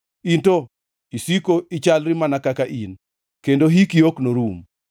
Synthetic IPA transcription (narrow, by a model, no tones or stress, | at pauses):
into | isikoit͡ʃalɾimanakakaʔin | kendoɦikioknoɾum